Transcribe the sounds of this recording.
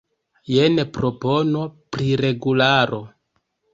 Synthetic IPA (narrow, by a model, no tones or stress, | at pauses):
jenepɾo̞po̞no̞pɾiɾe̞ɡulaɾo̞